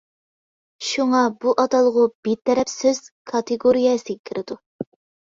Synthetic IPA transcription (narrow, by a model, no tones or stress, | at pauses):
ʃuŋɑbuʔɑt̪ɑlˠəʁʊb̥et̪ʰːɛɾɛpsøz̥kʰɑt̪ɨɡoɾijɛsɨɡʲɛkʲʰiɾʔɪd̪u